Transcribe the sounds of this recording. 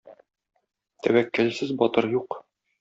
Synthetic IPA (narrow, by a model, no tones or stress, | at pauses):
t̪æwækːælsɘzbɒt̪ɤɾjuq